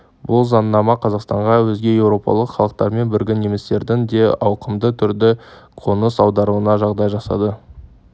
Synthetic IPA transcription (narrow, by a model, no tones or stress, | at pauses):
bʊlˠzɑnːɑmɑqʰɑzɑqst̪ɑɴʁɑwɵzɡʲe̞je̞wɾo̞pɑ̰lˠəqχɑlˠəq̚t̪ɑɾme̞nbɪɾɡʲɪnemɪst̪e̞ɾd̪ɪŋd̪e̞ɑwqəmd̪ət̪ʰʏɾd̪ɪqʰo̞nəsɑwd̪ɑɾuənɑʒɑʁd̪ɑjʒɑsɑ̰d̪ə